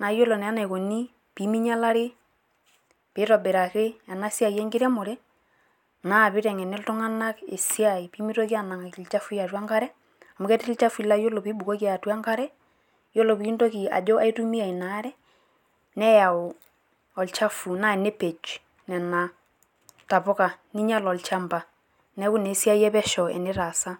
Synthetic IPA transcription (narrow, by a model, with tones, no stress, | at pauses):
na˨jo˦lɔ˨nɛ˨a˦na˨ko˨ni˦ | pi˨˦mi˦ɲa˦la˦ɾɪ˦ | pɪ˨˦ɾɔ˨bɪ˨ɾa˨kɪ˦a˨na˦si˦a˨jɛ˦ŋɡɪ˦ɾɛ˦mɔ˨ɾɛ˦ | na˦˨pɪ˦ɾɛ˨ŋɛ˨nɛ˦ltɔ˦ŋa˦na˦kḛ˨si˦a˨i˨pi˦mi˦to˦ki˦a˨na˨ŋa˨ki˨lt͡ʃa˦fu˦ja˨twa˦ŋɡa˦ɾɛ˦ | a˨mu˨kɛ˦tɪ˦ɪ˦t͡ʃa˦fi˦la˦jo˦lɔ˨pi˨˦bu˨ko˦ki˦a˨twa˦ŋɡa˦ɾɛ˦ | jo˦lo˨pi˨˦ndo˦ki˨a̰˨d͡ʒo˦ʔa˦i˦tu˦mi˦a˨i˨na˨˦ɾɛ˦ | nɛ˦ja˨ | ɔ˨lt͡ʃa˦fu˨na˦ɛ˨ne˦pe˨t͡ʃ | nɛ˨na˨ | ta˨pɔ˦ka˨ni˦ɲa˦lɔ˨lt͡ʃa˦mba˨ | nɛ˦ku˦ne˨˦si˦a˦jɛ˦pɛ˦ʃɔ˨ɛ̰˨nɪ˦ɾa˨sa˦